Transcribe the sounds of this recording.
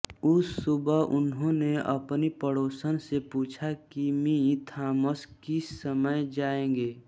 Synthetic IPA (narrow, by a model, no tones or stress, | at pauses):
ʊsːʊbəʊnɦõneɐ̰pnipəɽoːsənsepuːt͡ʃʰakimĩt̪ʰaːməskɪsəməjd͡ʒaːẽːɡeː